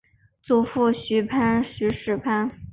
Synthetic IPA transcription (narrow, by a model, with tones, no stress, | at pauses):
t͡su˧˥fu˥˩ɕy˧˥pʰa˥nɕy˧˥ʂɻ̩˥˩pʰa˥n